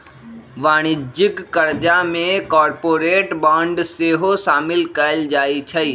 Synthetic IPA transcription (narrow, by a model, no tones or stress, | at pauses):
ʋaːñɪd͡ʒɪkːɐɾd͡ʒamẽkɔːɾpoːɾeːʈbãːɳɖseːɦosaːmɪlkɐld͡ʒaːit͡ʃʰɐiː